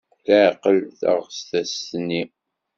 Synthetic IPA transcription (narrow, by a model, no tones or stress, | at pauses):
θæʕqəlθə̰ʁst̪æsni